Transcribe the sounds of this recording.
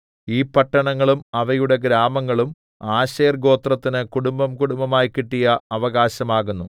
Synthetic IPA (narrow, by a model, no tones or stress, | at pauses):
iːpɐʈːɐɳɐŋːɐɭumɐʋɐjuɽe̞ɡɾaːmɐŋːɐɭum | aːɕeːrɡo̞ːt̪rɐt̪ːinɨkuɽumbɐmkuɽumbɐmaːjkiʈːijɐɐʋɐɣaːɕɐmaːɣunːu